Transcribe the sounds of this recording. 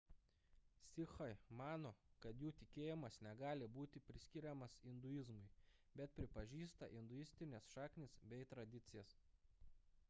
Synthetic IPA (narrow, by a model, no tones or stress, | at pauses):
sʲɪxɐɪmɑːnoːkɐt̪juːt̪ʲɪkʲeːjɪmɐsnʲɛɡɑːlʲɪbuːt̪ʲɪpʲɾʲɪsʲkʲɪɾʲɛmɐsɪnd̪ʊjɪzmʊɪ | bʲɛt̪̚pʲɾʲɪpɐʒʲiːst̪ɐ̰ʔɪnd̪ʊɪsʲt̪ʲɪnʲeːsʃɑːknʲɪsbʲɛɪt̪ɾɐd̪ʲɪt̪sʲɪjɛs